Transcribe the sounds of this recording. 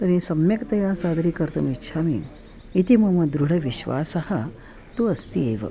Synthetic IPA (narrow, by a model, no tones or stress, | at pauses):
t̪ɐnisɐmjɐkt̪ɐjaːsaːd̪ɐɾikɐɾt̪ɐmitːʃʰaːmḭː | t̪imɐmɐd̪ɾuɽɐʋiʃʋa̰ːsɐhɐ | t̪uɐst̪iḛːʋɐ̰